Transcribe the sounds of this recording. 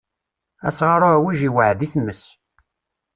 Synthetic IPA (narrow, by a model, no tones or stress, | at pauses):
æsʁaɾˤʊæwiʒiwəʕðiθmːəs